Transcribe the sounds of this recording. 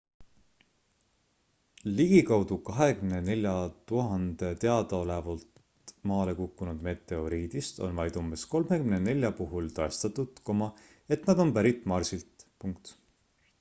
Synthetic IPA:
liɡ̥ikɑwd̪̥ukɑɦe̞kymne̞ne̞lʲjɑt̪uɦɑnd̪̥e̞t̪e̞ɑd̪̥ɑo̞le̞vɑlt̪ | mɑːle̞kukˑːunud̪̥me̞t̪ːˑe̞o̞ɾiːd̪̥ist̪o̞̰nvɑjd̪umbe̞sko̞lme̞kymnene̞lʲjɑpuɦult̪ɑest̪ɑt̪ːˑut̪komɑ | e̞t̪nɑd̪o̞npæɾit̪ːˑmɑrsilt̪puŋk̚t̪

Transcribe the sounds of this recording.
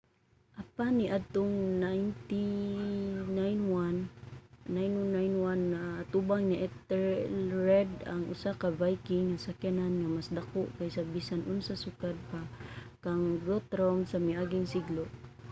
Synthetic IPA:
ʔapaniʔad̪̚t̪ʊŋnajnt̪i | najnwanː | ajnanːajnwanːaat̪ubaŋniʔɛt̪ɛɹːɛd̪aŋʔʊ̰sakabajkɪŋːasakjananŋamasd̪akʊʔkajsabisanʔʊnsasʊkad̪̚pakaŋɡot̪ɾomsamiaɡɪŋsɪɡloʔ

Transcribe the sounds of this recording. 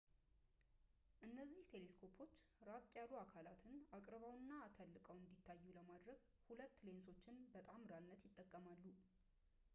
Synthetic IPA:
ʔɨnːəzːiht̪ʰe̞le̞skʰo̞pʰo̞t͡ʃːɾat̪ʼjaluakʰalat̪ʰɨnakʼɾβawnːat̪ʰəlːɨkʼəwɨnd̪it̪ʰːajːuləmad̪ɾəɡ | hulət̪ːle̞nso̞t͡ʃːɪnbət̪ʼamɾanːət̪jɪt̪ʼːəkʼːəmalːu

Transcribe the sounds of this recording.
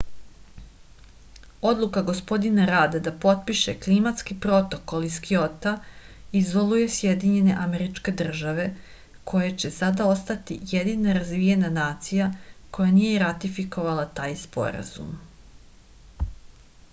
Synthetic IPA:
o̞d̪lˠukaɡo̞spo̞d̪inaɾaːd̪ad̪apo̞t̪̚piʃe̞klimat̪skipɾo̞t̪o̞ko̞lˠiskio̞t̪aizo̞lˠuje̞sjed̪iɲe̞ne̞ʔameɾit͡ʃke̞d̪r̩ʒaʋe̞ | kʰo̞jat͡ɕe̞sad̪ao̞st̪at̪ijed̪inaɾazʋijenanaːt̪sijako̞janijeɾat̪ifiko̞ʋalˠat̪aːjspo̞̰ɾa̰zṵm

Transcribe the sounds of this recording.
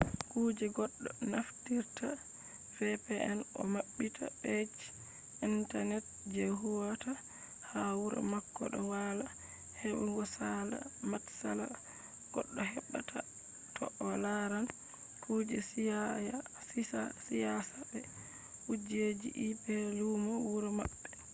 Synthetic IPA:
kuːd͡ʒɛɡɔɗːɔnaftiɾta | fɛpɛʔɛnɔ̰maɓːitʰa̰ɓed͡ʒ | intanɛt̚ | d͡ʒeɦuwata | hawuɾa̰makːɔɗɔwala | hɛwɛɡɔsala̰matsala̰ | ɡ̥ɔɗːɔɦɛɓːatʰa | tʰɔ̰ʔɔlaɾan | kʰuːd͡ʒɛsja | asijasabɛ | ud͡ʒed͡ʒḭʔipɛlumɔwuɾɔma̰ɓːɛ

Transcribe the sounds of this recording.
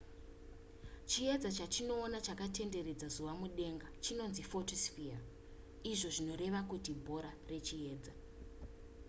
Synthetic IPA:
t͡ʃie̞d͡zat͡ʃat͡ʃino̞ːnat͡ʃakate̞nde̞ɾe̞d͡zazuʋamuɗe̞ŋɡat͡ʃino̞nzifotosfia | iʐo̞ʐino̞ɾe̞ʋakutibʱo̞ɾare̞t͡ʃie̞ːd͡za

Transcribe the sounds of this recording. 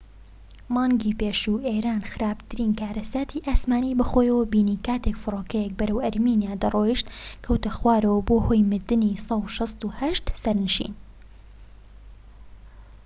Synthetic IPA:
mɑːŋɡipeːʃuʔeɾaːnxɨɾaːbt̪ɨɾiːnkaːɾɐsaːt̪ʰiʔaːsmaːnibɐxoːjɐwɐbiːniːkaːt̪ʰekfɨroːkɛjɛk̚bɐɾɐwɐɾmiːnijaːd̪ɐroːjiʃt̪kʰɐwt̪ɐxwaːɾɐwɐboːhoːjmɨɾd̪ɨnisˤɑwʃɑst̪uhɐʃt̪sɐɾnɨʃḭːn

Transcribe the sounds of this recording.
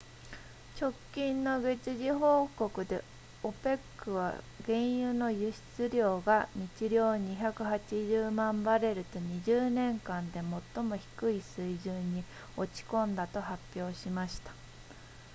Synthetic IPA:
t͡ɕo̞kʲːĩnːo̞ɡe̞t͡ɕiʑiɦo̞ːko̞kɯ̟d̪e̞ | o̞pe̞kːɯ̟βa̰ | ɡẽ̞ɰ̃jɯ̟no̞jɯ̟ɕi̥t͡sɨɾʲo̞ːɡaɲit͡ɕiɾʲjo̞ːɲ̟içakɯ̟hat͡ɕiʑɨːmãmbaɾe̞ɾɯ̟t̪o̞ɲ̟iʑɨːnẽ̞ŋkãnd̪e̞mo̞t̪ːo̞mo̞çi̥kɯ̟isɨiʑɨːɲ̟ːi | o̞t͡ɕi̥kõ̞nd̪at̪o̞ɦapʲːjo̞ːɕimaɕi̥t̪ḁ

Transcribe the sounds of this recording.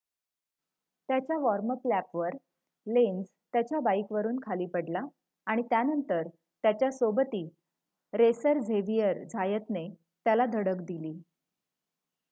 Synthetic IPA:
t̪jat͡ɕjaʋɔɾməplæpʋəɾ | lend͡z | t̪jat͡ɕjabaikʋəɾuːnkʰaliːpəɽlaː | ɽ̃it̪janənt̪əɾ | t̪jat͡ɕjasobət̪iː | ɾesəɾd͡zʱeʋijəɾd͡zʱajət̪ne | t̪jalad̪ʱəɽəkd̪iliː

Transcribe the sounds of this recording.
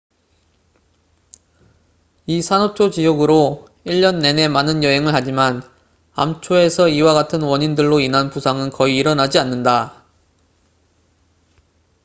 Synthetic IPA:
isʰanʌt͡ɕʰot͡ɕijoɡɯɾo | iʎːʌnːe̞ne̞manɯnjʌɦe̞ŋɯɭhad͡ʑiman | a̰mt͡ɕʰoe̞sʰʌiwaɡatʰɯnwʌɲindɯɭːoinanpusʰaŋɯnkʌiːɾʌnad͡ʑianːɯnda

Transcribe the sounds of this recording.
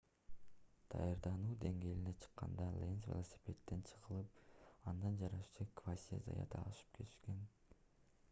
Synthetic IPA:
d̪̥ɑ̰jɑɾd̪ɑnuːd̪e̞ŋɡe̞ːlinet͡ʃʰɯ̥qːɑ̰nd̪ɑlʲˠensvʲelˠosʲi̥pʲe̞t̪ːe̞nt͡ʃʰɯ̥ʁɯlˠɯp̚ɑnd̪ɑnd͡ʒɑɾɑʃt͡ʃɯkvasʲia̰zɑ̰jɑ̰t̪ʰɑʃɯ̥p̚kʰe̞t̪i̥ʃke̞n

